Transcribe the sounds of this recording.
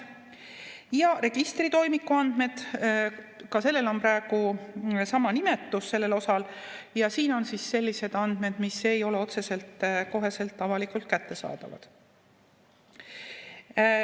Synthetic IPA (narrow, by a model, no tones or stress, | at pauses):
jɑre̞ɡ̥ist̪rit̪o̞jmikːˑuɑnd̪̥me̞d̪̥ | kɑse̞lːe̞lo̞mprɑeɡ̥usɑmɑnime̞t̪ːˑusːe̞lːe̞lo̞sɑljɑsiːno̞nsisːe̞lʲːise̞d̪̥ɑnd̪̥me̞d̪̥mise̞jo̞leo̞t̪se̞se̞lt̪ko̞ɦe̞se̞lt̪ːɑvɑlikult̪̚kæt̪ːe̞sɑ̰ːd̪̥ɑ̰vɑ̰d̪̥